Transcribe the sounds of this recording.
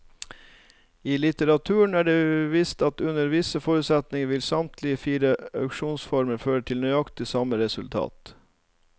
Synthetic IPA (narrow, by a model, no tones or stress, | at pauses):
iːlɪt̪əɾɑt̪ʰʉːəɳæːɖeːʋɪst̪ɑt̪ʉnəɾʋɪsəfoːɾʉːt̪sɛt̪nɪŋəʋɪlsɑmt̪ʰlɪəfiːɾəɑʉkʃuːnsfɔɾməɾføːɾəʈʰɪlnœʏɑkt̪ɪsɑməɾɛsʉlt̪ʰɑ̰ːt̪